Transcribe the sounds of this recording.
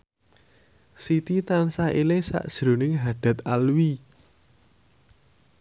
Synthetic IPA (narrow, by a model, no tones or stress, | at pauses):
sit̪it̪ansailɪŋsa̰ʔd̥ʒ̥ɾo̤nɪŋɦaɖ̥a̤t̪alwi